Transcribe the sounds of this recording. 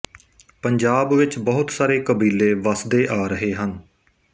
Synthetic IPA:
pəɲd͡ʒaːbʋɪt͡ʃbəɦʊt̪saːɾeːkəbiːleːʋəsd̪eːʔaːɾəɦeːɦən

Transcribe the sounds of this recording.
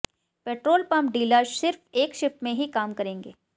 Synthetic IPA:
peːʈɾoːlpɐ̃mpɖiːləsɪɾfeːkʃɪfpmẽɦikaːmkɐɾẽːŋɡḛː

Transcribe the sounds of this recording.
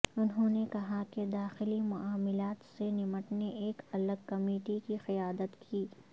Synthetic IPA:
ʊnɦõːnekɐɦaked̪aːxɪlimʊʔaːmɪlaːt̪senɪməʈneʔeːkɐləɡkɐmeːʈikixɪjaːd̪ət̪kʰiː

